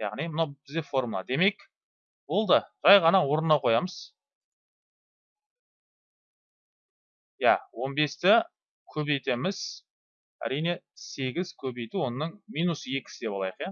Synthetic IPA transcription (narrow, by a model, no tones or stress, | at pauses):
jɑ̰ʁnijmʊnɑwbɪzd̪e̞fo̞rmulˠɑ̰d̪e̞me̞kʲ | bo̞lˠd̪əʒ̥ɑjʁɑnɑwo̞ɾənd̪ɑwqʰo̞jɑməz̥ | jæ̰wo̞nbe̞st̪ɪ | kʲʰɵbejt̪e̞mɪz̥ | æ̰ɾijne̞se̞ɡʲɪzkʲʰɵbe̞jt̪uwo̞nəːəɴmijnusje̞kʲɪ̥sɪd̪epɑlˠɑjəqja